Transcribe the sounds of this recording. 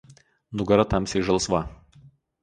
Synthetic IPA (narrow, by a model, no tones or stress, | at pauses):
nʊɡɐɾɐt̪ɐmʲsʲɛʒɐlˠsʋɑ